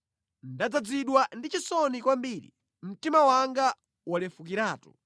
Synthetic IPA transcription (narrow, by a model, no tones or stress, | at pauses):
ndad͡zad͡ziɗwandit͡ʃisɔnikwambiːɾḭ | m̩timawaŋɡa | wɔlɛfukiɾaːtu̥̰